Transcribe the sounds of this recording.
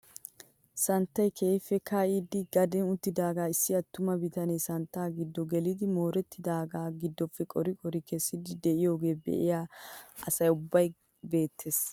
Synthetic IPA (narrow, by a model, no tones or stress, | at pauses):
sɐnt̪ːɐjkʰeːɪfːɛkʰaːʔiːd̪ɪɡɐd̪ɛnʊt̪ːɪd̪aːɡaːɪsːɪɐt̪ːʊmɐbɪt̪ɐneːsɐnt̪ːaːɡɪd̪ːɔɡɛlɪd̪ɪmo̞ːɾɛt̪ːɪd̪aːɡaːɡɪd̪ːɔfːɛkʼɔɾɪkʼɔɾɪkɛsːɪd̪ɪd̪ɛʔɪjo̞ːɡe̞ːbɛ̰ʔɪ̰jaːʔɐsɐjʊbːɐj | be̞ːt̪ʰːe̞ːs